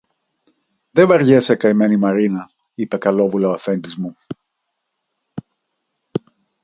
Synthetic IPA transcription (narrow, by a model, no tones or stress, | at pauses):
ðe̞vɐɾʝesekɐime̞nimɐɾinɐ | ipe̞kɐlo̞vulɐoɐfe̞nd̪izmu